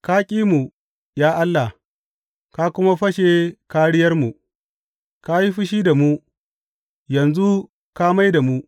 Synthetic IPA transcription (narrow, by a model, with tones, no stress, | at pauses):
kaː˦kʲʼiː˦mu˨ | jaː˦ʔa˦lːa˨ | ka˦kʷʊ˦ma˦ɸɐ˦ʃe˨kaː˦ɽɪ˦jɐ˦rmu˨ | ka˦ji˦ɸɪ˦ʃi˦da˨mu˦ | jɐ˨nzu˦ | ka˦ma˦jda˨mu˦